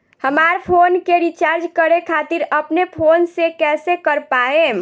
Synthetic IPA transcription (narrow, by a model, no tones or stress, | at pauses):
həmaɾpʰonkeɾit͡ʃaɾd͡ʒkəɾekʰat̪iɾəpnepʰonsekɛːsekəɾpaẽ